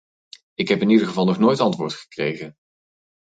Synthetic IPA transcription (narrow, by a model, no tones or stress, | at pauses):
ɪkɦɛpɪnidəχəvɑlˠnɔχnojtɑntʋʊːɹtχə̥krejχən